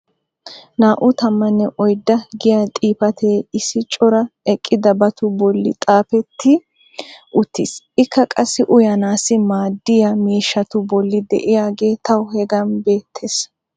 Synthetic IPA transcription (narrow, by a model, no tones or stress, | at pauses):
naːʔʊt̪ɐmːɐnːɛʔɔjd̪ːɐɡɪjaːt̪ʼiːpɐt̪ʰe̞ːɪsːɪt͡ʃʼɔɾɐɛkʼːɪd̪ɐbɐt̪ʊbɔlːɪ̰t̪ʼaːpɛt̪ʰːɪ | ʔʊt̪ːɪsʔɪkːɐkʼɐsːɪʔʊjɐnaːsɪmaːd̪ːɪjɐmiːʃːɐt̪ʊbɔlːɪd̪ɛ̰ʔɪjaːɡe̞ːt̪ʰɐwhɛɡɐnbeːt̪ʰːeːs